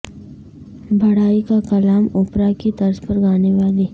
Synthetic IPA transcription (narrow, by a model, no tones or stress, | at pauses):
bʱɐɽaːikakɐlaːmʊːpɾakit̪ɐɾzpɐɾɡaːneʋaːliː